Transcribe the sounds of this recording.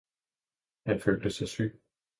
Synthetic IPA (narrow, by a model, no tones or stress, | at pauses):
hænføːld̥əsɑɪsy̰ː